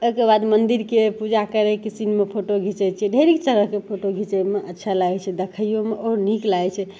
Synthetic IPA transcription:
ojkebad̪mənd̪iɾkepud͡ʒakəɾekisinmepʰoʈoɡʱit͡ʃɛt͡ʃʰɛɖʱeɾikt͡ʃəɾəɦkepʰoʈoɡʱit͡ʃəjmeʔətːʃʰalaɡɛt͡ʃʰɛd̪ekʰəjjomeʔɔɾniklaɛt͡ʃʰɛ

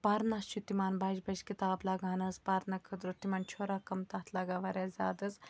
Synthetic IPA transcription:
paːɾnaːst͡ʃʰut̪imaːnbaːd͡ʒbɐʃkit̪aːblaːɡaːnɐzpaːɾnɐkʰɐd̪ɾot̪ːimaːnt͡ʃʰoːɾaːkɐmt̪ɐːt̪ʰlaːɡaːʋaːɾʲjaːzʲa̰ːd̪ɐz

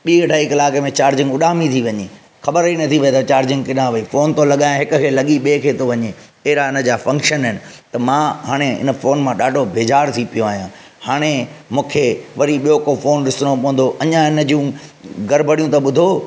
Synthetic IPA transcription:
ɓiːɐɖʱaːikɪlaːkemẽt͡ɕaːɾd͡ʑɪ̃ŋɡʊɗaːmĩt̪ʰiʋɐɲeː | xɐɓəɾinɐt̪ʰiʋɐet̪ɐt͡ɕaːɾd͡ʑɪ̃ŋɡkɪnãʋɐifoːnt̪õlɐɠaːjãɦɪkʊ̆kʰeːlɐɠiɓeːkʰeːt̪ʰoʋɐɲe | ɐɦɪɾaɪnə̆d͡ʑaːfɐ̃ŋkʃənɦɪnɪ̆t̪ɐmãːɦaːɽ̃eɪ̰nə̆foːnmãɗaːɖʱobʱeːd͡ʑaːɾt̪ʰipijoaːɦijã | haːɽ̃emũːkʰeʋɐɾiɓijokofoːnɗɪsɽopɐ̃ɦʊ̃n̆d̪oʔɐɲãɪnə̆d͡ʑũɡɐɾbʱəɽijũt̪ɐɓʊd̪ʱo

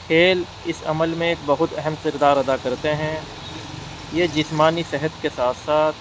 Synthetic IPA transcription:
xʰeːl | ɪsɐ̰məlmẽeːk̚bɐɦʊt̪ɛɦɛmqɪɾd̪aːɾɐd̪akɐɾt̪eɦɛ̃ | jed͡ʒɪsmaːnisɪɦət̪kesaːt̪ʰsaːt̪̚ʰ

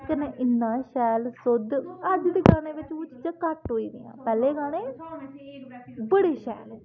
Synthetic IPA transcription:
kənẽːʔɪnːãːʃɛːlsʊd̪əd͡ʒd̪eːɡaːnẽːʋɪt͡ʃʊt͡ʃt͡ʃakəʈɦoːiːd̪ɪ̰jã̰ːpɛːleːɡaːɽ̃ẽː | bəɽeːʃɛ̰ːl

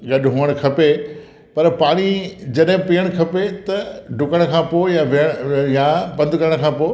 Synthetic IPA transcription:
ɡɐɗɦuːəɽ̃kʰɐpe | pɐɾpaːɽ̃id͡ʑɐɗɦɪ̃piːəɽ̃kʰɐpet̪ɐɖʱʊkəɽ̃kʰãːpoːjaʋeɽjabɐ̃nd̪ʱkɐɾəɽ̃kʰãːpoː

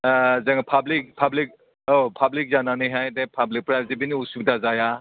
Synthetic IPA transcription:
zaŋpʰablik̚pʰablik̚ | opʰablik̚zananiɦajdepʰablik̚pɾazibiniusub̚dazaja

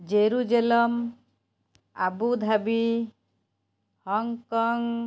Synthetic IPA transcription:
d͡ʒeɾud͡ʒelɔm | a̰bud̪ʱabi | hɔŋkɔŋ

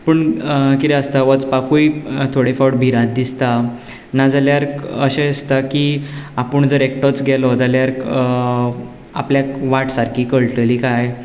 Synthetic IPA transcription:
pəɳkit̪ɛəst̪aʋət͡spakujt̪ʰoɽifawɽ̚bʱiɾat̪̚d̪ist̪a | nad͡zaljaɾəɕẽest̪akiapəɳd͡zəɾek̚ʈɔt͡sɡʱɛlɔd͡zaljaɾ | a̰pljaʋaʈsaɾkʰiːkəɭʈəlikaj

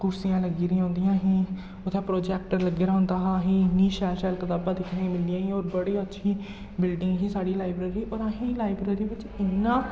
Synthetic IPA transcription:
kʊɾsijãːləɡiːɾiːãõːnd̪ɪjãːɦĩː | ʊt̪ʰːẽːpɾoːd͡ʒɛːk̚ʈəɾləɡeːɾaːɦʊ̃nd̪aːɦaːɦĩːnĩːʃɛːlʃɛːlkət̪aːbãːd̪ɪkʰnẽmɪlijãːɦĩːoːɾbəɽiːətːʃʰiː | bɪlɖɪ̃ŋɡɦĩːsaːɽiːlaːɪbɾeːɾiːʔoːɾaɦĩːlaːɪbɾeːɾiːbɪt͡ʃ | ɪnːãː

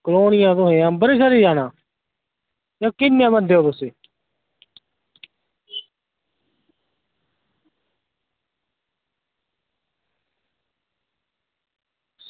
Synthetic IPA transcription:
kloːnɪjãːt̪oɦẽãːbəɾiːsaɾiːd͡ʒaːnãː | jãːkɪnːjãːbənd̪eːoːt̪ʊseː

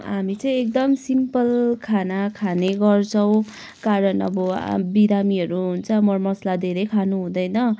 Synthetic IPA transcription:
ɦamit͡sʌĩek̚d̪ʌmsimpʌlkʰanakʰaneɡʌrt͡sʰʌw̃ | kaɾʌnʌ̰bʌ̰biɾamiɦʌɾuɦunt͡sʰʌmʌrmʌslad̪ʱeɾʌjkʰanuɦũd̪ʌjnʌ

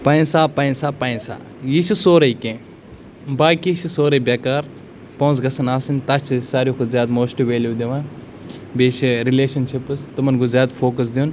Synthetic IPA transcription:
paĩsaːpɐːĩsaːpaːĩsa̰ː | jiʃʰisoːɾɐjkẽː | baːkiʃʰisoːɾɐjbʲekaːɾ | poːsɡɐsɐnaːsinʲt̪at͡ʃʰisaːɾjuːkʰuzjaːd̪moːsʈiʋeːljuːd̪iʋãː | beːʃiɾileːʃɐnʃipɨst̪ɐmɐnɡuzʲjaːd̪fʰoːkɐs̬d̪iun

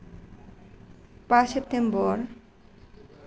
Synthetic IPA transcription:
pasept̪embɔɾ

